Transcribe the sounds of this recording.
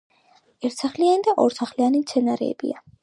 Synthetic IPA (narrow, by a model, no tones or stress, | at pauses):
ɛɾt̪ʰsaχlianid̪aʔɔɾsaχlianimt̪sʰɛnaɾɛ̰ːb̥ḭa